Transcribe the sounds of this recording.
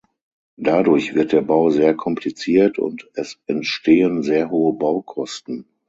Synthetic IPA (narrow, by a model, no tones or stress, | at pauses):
d̥adʊɐçv̥ɪɐt̚d̥eːɐbaʊzeːɐkʰɔmpʰlit͡siːɐtʊ̰ntɛsɛntʃtʰeːənzeːɐɦoːəbaʊkʰɔstn̩